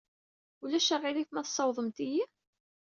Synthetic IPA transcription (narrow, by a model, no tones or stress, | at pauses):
ulæʃæʁiliθmæθsˤːɑwðˤəmt̪iji